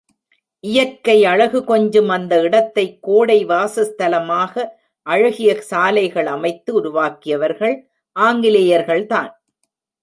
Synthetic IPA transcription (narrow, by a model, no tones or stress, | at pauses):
ʔɪjɐkːɐɪɐɻɐɣɯkɔɲd͡ʒɯmɐnd̪ɐɪɽɐt̪ːɐɪkːoːɽɐɪʋaːsɐst̪ɐlɐmaːɣɐ | ʔɐɻɐɣɪjɐsaːlɐɪɣɐɭɐmɐɪt̪ːɯʊɾʊʋaːkɪjɐʋɐɾɣɐɭ | ʔaːŋɡɪlɐjɐɾɣɐɭt̪a̰ːn